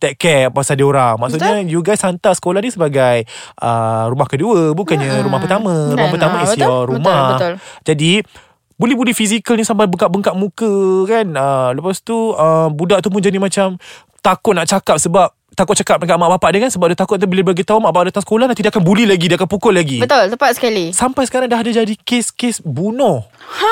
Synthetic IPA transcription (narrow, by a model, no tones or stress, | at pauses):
t̪ɛʔkɛʔpasadioɾaŋmaʔsuʔɲad͡ʒuɡasant̪asə̥kolahnisəbaɡajʔəɾumahkəduəbukanɲaɾumahpət̪amə̃ɾumahpərt̪amə̃iiaɾumad͡ʒadi | bolɛhbulihfis̬ikalnisampabəŋkaʔbəŋkaʔ̚mũkəkanələpast̪uəmbudaʔt̪up̬ʊnd͡ʒanimãt͡ʃam | t̪akʊt̪̚naʔt͡ʃakap̚səbap̚t̪akʊt̚t͡ʃakap̚nŋkaʔmaʔbapaʔdakansəbap̚dat̪akʊt̪̚nt̪abilabaɡit̪aumaʔbaaʔdat̪aŋsə̥kolahnãnt̪idakanbulilaɡidakanpukɔʔlaɡibət̪ʊlt̪əpat̪̚sə̥kalisampajsə̥kaɾaŋdaɦdad͡ʒadikeskesbunɔh